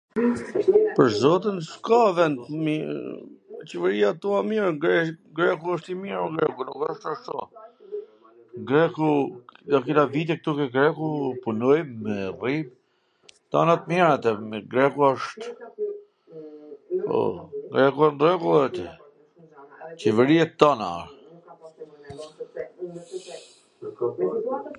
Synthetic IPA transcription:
pəɾzɔt̪ənskavɛnd̪m | t͡ʃɛvɛɾiat̪uamiɾɡɛɡɾɛkuəʃt̪imiɾɡɾɛkunukəʃt̪aʃt̪ɔ̰ | ɡɾɛkud̪akilavit̪̬ɛk̚t̪ukɛɡɾɛkupunɔjmɛrip | t̪a̰nat̪miɾat̪ɛmɡɾɛkuɔʃt̪ | ɔ̰ɡɾɛkuɛnd̪ɾɛkuɛt̪ | t͡ɕɛvɛɾiɛt̪ːana̰

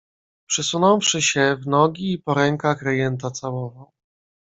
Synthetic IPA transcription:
pʂɛsunɔ̃wfʂɘɕɛvnɔɡʲiːpɔɾɛŋkaxɾajɛnt̪̬at̪sawɔvɔ

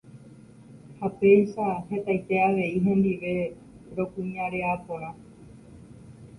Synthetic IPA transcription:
hape̞jʃahe̞t̪ajt̪e̞aʋe̞iɦẽ̞nd̪iʋe̞ | ɾo̞kũɲaɾe̞apoɾa

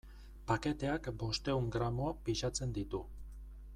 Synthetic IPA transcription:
pake̞t̪e̞akbo̞st̪e̞uŋɡɾamoapiʃat͡se̞nd̪it̪u

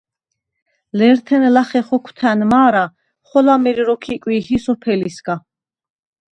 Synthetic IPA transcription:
lɛɾt̪ʰɛnɛlaχɛχɔkʰwt̪ʰænmaːɾa | χɔlamɛɾiɾɔkʰikʼwiːhisɔpʰɛlisɡa

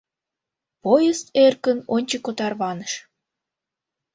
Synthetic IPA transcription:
pojəserkənonʲt͡ɕəkot̪ɑrβɑnəʃ

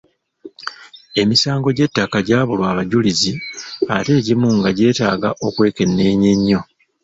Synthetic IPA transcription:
e̞misaːŋɡo̞ɟe̞tːakaɟaːβulwaːβaɟulizia̰te̞ːɟimuŋɡaɟe̞ːtaːɡaʔo̞kwe̞ːke̞nːe̞ːɲe̞ɲːo̞

